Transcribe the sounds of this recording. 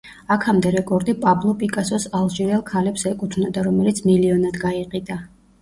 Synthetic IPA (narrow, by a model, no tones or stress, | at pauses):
akʰamd̪ɛɾɛkʼɔɾd̪ipʼablˠɔpʼikʼasɔsalˠʒiɾɛlˠkʰalɛpsɛkʼut̪ʰvnad̪aɾɔmɛlit̪sʰmiliɔnad̪ɡaiqʼid̪a